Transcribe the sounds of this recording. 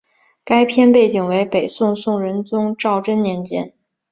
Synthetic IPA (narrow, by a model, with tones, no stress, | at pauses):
ka˥ɪpʰjɛ˥˧npe˥˩ɪt͡ɕi˨˩ŋwe˧˥ɪpe˨˩ɪsʊ˥˧ŋsʊ˥˩ŋɻə˧˥nt͡sʊ˥ŋʈ͡ʂɑ˥˩ʊʈ͡ʂə˥nnjɛ˧˥nt͡ɕjɛ̰˥n